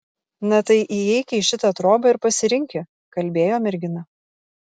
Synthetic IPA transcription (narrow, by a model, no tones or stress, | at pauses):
nɐt̪ɐɪʔijɛɪkʲɛiʃʲɪt̪ɐt̪ɾoːbɐɪɾpɐsʲɪɾʲɪŋʲkʲɪ | kɐlʲbʲeːjoːmʲɛɾʲɡʲɪnɐ